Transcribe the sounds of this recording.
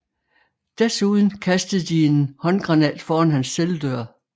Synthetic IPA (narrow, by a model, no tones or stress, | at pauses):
d̥æɐsuðˠn̩kʰæsd̥əð̩ˠd̥ie̝nhɒ̽nɡ̥ʁɑ̈nɛ̰ːd̥fɒːænɦænsːeld̥øɐ̰